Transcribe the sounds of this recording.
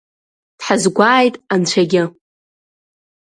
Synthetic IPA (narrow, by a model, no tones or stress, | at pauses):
d̥ħazɡʷaːjtʼant͡ʃʷʰaɡʲɪ